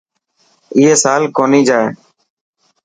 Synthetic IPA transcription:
ɪːɦeːsaːlkoːniːd͡ʒaːeː

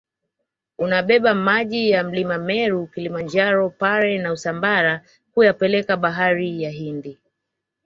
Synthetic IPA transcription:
unaɓɛɓamaʄijam̩limamɛɾukilimaɲd͡ʒaɾɔpaɾɛnausambaɾa | kujapɛlɛkaɓaɦaɾijaɦindi

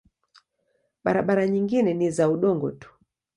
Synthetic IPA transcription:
ɓaɾaɓaɾaɲiŋɡinɛnizauɗɔŋɡɔ̰tu̥

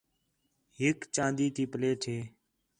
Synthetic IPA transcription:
ɦɪkt͡ʃãːnd̪iːt̪iːpəleːʈʰeː

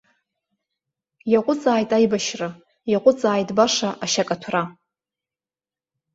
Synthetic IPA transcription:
jaqʷʼʊt͡sʼaːjtʼajbaʃrɨ | jaqʷʼʊt͡sʼaːjtʼbaʂaʔaʃakʼatʰra

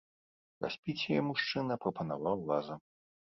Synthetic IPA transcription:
rʔa̰sʲpʲit͡sʲɛjɛmuʂt͡ʂɨnɐpɾɐpɐnavawlazɐ

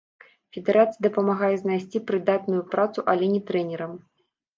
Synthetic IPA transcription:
fʲɛd̪ɛɾat̪sɨjid̪ɐpɐmaɣajɛznajsʲt͡sʲipɾɨd̪at̪nujupɾat̪suʔɐlʲɛnʲɛt̪ɾɛnʲɛɾɐm

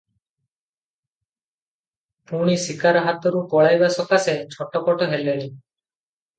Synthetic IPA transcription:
puɽ̃isikaɾɔɦat̪ɔɾupɔɭajbasɔkaset͡ʃʰɔʈɔkɔʈɔɦeleli

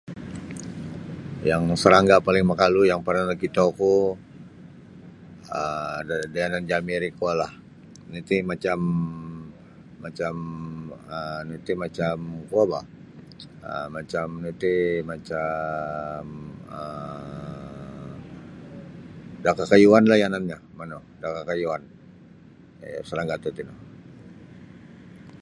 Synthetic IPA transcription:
jaŋsəɾaŋɡapalɪŋmakalujaŋparnalakit̪oku | əadaanand͡ʒamiɾikualah | nut̪imat͡ʃam | at͡ʃam | ənut̪imat͡ʃamkuaba | əmat͡ʃamnut̪imat͡ʃa | mə | dakakajuanlahjananɲamano | dakakajuan | a̰salaŋɡat̪ut̪ino

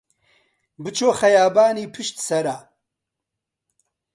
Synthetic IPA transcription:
bɨt͡ʃʰoːxɐjaːbaːniːpʰɨʃt̪sɐɾa

